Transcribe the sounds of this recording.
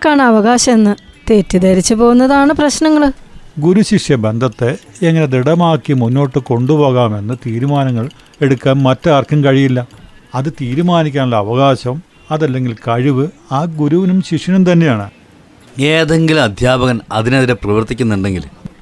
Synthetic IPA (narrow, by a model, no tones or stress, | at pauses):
kːaːɳɨɐʋɐɣaːɕɐmenːɨ | t̪e̞ːtːid̪ɐɾit͡ɕːɨpo̞ːɣunːɐðaːɳɨprɐɕnɐŋːɐɭɡuɾuɕikʂjɐbe̞nd̪ʱɐt̪ːeeŋːɐne̞d̪iɽɐmaːkːimunːo̞ːʈːɨko̞ɳɖupo̞ːɣaːme̞nːɨt̪iːɾumaːnɐŋːɐɭ | e̞ɽukːaːnmɐtːɨɐrkʰɐmkɐɻijilːɐɐðɨt̪iːɾumaːnikʲːaːnulːɐːʋɐɣaːɕɐm | ɐðɐlːe̞ŋɡilkɐɻiʋɨaːɡuɾuʋinumɕiʂjɐnumt̪ɐnːe̞jaːɳɨ̰ | eːðe̞ŋɡilumɐd̪ʱjaːbɐɣɐnɐðinɐðiɾeprɐʋɐrt̪ːikʲːunːuɳɖe̞ŋɡil